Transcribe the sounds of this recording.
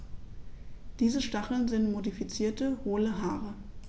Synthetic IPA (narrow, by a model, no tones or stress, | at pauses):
d̥iːzəʃtaχl̩nzɪntmodifit͡siːɐtəhoːləɦaːʁə